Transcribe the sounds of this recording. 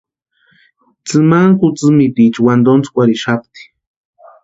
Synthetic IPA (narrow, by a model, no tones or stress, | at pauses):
t͡sɨmaŋkut͡sɨmit̪it͡ʃiwand̪ont͡su̥kʷaɾiʃap̚t̪i̥